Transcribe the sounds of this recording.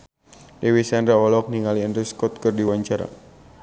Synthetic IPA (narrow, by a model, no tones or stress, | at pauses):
dewisandɾaɔlɔk̚niŋaliənriskɔt̪̚kərdiwaɲt͡ʃaɾa̰